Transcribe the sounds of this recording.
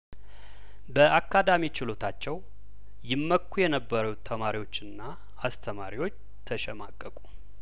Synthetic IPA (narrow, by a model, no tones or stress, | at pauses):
bəʔakʰːad̪amit͡ʃɪlo̞t̪ʰat͡ʃːɛw | jɪmːəkːujɛnəbːəɾut̪ʰːəmaɾiwo̞t͡ʃːɨnːa | ast̪ʰəmaɾiwo̞t͡ʃː | t̪ʰəʃɛmakʼːəkʼu